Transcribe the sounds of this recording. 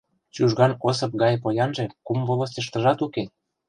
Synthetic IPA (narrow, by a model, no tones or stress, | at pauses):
t͡ɕuʒɣɑnos̬ɤ̆p̚ɡɑjpojɑnʒĕkumvolŏs̬t̪ĕʃt̪ə̆ʒɑt̪uke